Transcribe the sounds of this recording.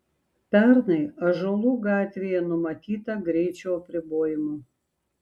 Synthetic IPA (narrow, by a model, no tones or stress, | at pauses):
pʲɛɾnɐɪɐʒolˠuːɡɑːt̪ʲʋʲeːjɛnʊmɐt̪ʲiːt̪ɐɡɾʲɛɪt͡ʃʲuːɐpʲɾʲɪboːjɪmʊ